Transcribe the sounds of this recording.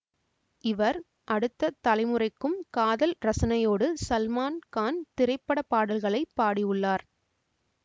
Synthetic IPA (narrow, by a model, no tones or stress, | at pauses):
ɪʋɐɾ | ʔɐɽɯt̪ːɐt̪ɐlɐɪmɯrɐɪkːɯmkaːðɐlɾɐsɐnɐjoːɽɯsɐlmaːnkaːnt̪ɪɾɐɪpːɐɽɐpaːɽɐlɣɐɭɐɪpːaːɽiʊɭːaːɾ